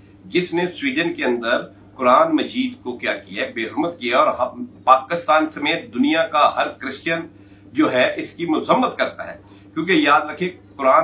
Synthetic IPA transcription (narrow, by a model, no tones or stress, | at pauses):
d͡ʒɪsneswiːɖənkeɐ̃nd̪əɾ | kʊɾaːnmɐd͡ʒiːd̪kokjaːkijaɦɛbeːɦʊɾmət̪kijaɔːɾɦɐpaːkɪst̪aːnsɐmeːt̪̚d̪ʊnijakaɦɐɾkɾɪst͡ʃjən | d͡ʒoːɦɛʔɪskimʊzəmːət̪kɐɾt̪aɦɛː | kjõːkejaːd̪ɾɐkʰekʊɾaː